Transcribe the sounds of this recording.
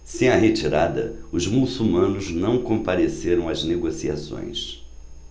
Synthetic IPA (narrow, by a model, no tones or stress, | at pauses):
sẽj̃ɐɦet͡ʃiɾad̪ɐ̰ʊzmusumɐ̃nʊznɐ̃w̃kõmpaɾeseɾɐ̃w̃ɐzneɡosiasõ̰j̃s